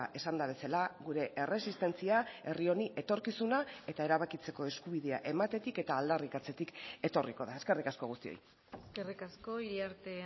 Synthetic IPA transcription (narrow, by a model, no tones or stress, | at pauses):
ʔe̞sand̪aβe̞salaɣuɾe̞ʔe̞re̞sist̪e̞nt͡siae̞rio̞niʔe̞t̪o̞ɾkisunae̞t̪ae̞ɾaβ̞akit͡se̞ko̞e̞skuβiðe̞a̰ʔe̞mat̪e̞t̪ike̞t̪aːld̪arikat͡se̞t̪ike̞t̪o̞riko̞ðae̞ske̞rikasko̞ɣust̪io̰j | skerikasko̞iɾiaɾt̪e